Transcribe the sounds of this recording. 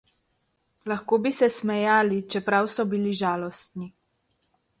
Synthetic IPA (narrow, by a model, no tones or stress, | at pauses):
laxkoːbisɛsmɛjaːlit͡ʃɛpɾawsɔbiliʒaːlɔst̪ni